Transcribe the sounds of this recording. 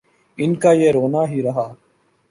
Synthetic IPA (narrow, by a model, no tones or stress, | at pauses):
ɪnkaːjeːɾoːnaːɦiːɾɐɦaː